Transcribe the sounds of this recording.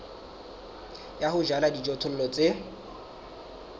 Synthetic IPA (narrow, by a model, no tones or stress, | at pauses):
jahʊʒaladid͡ʒɔtʰʊl̩lɔt͡sʼe